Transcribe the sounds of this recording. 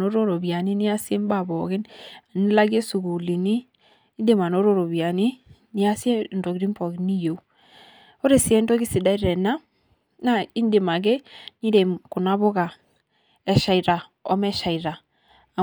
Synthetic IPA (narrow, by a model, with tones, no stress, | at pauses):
no˦ɾo˦ɾo˨βja˨ni˦ni˦a˦sje˦m˦ba˨βɔ˨ɣe˦na˨ni˦la˦ɡi˦e˦su˨ɡu˨li˨niː˦ | nde˨ma˨no˦ɾo˦ɾo˨βja˨ni˦ni˦a˦sje˦ndo˨ki˨ɾi˦mpɔ˨ɡi˦ni˦jo˨˦ | o˦ɾe˨sɛ˦ndo˦ki˦si˨da˦i˦ɾɛ˨na˦ | na˦˨i˦nde˨ma˨ɡ̬ɛ˦ni˦ɾe˨mku˨na˦βo˦ɣa˨ | ɛ˨ʃa˨i˨ɾa˨ | ɔ˦mɛ˦ʃa˨i˨ɾaː˨